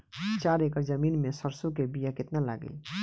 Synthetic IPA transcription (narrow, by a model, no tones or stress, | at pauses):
t͡ʃaːɾeːkəɾzəmiːnmẽsəɾsõkebijakɪt̪nala̰ːɡə̰i